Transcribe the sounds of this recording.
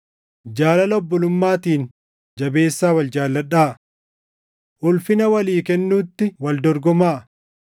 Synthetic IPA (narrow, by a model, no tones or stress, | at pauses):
d͡ʒaːlɐlɔbːɔlʊmːaːt̪iːn | d͡ʒɐbe̞ːsːaːwɐld͡ʒaːlːɐᶑaːʔ | ʔʊlfɪnɐwɐliːkɛnːuːt̪ːɪwɐld̪ɔɾɡɔmaːʔ